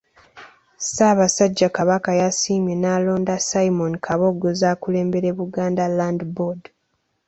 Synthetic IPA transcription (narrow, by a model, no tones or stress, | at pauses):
saːβasaɟːakaβakajasiːmjenaːlo̞ːndasaimonikʰaβo̞ɡozaːkule̞ːmbe̞ɾeβuɡaːndalandbod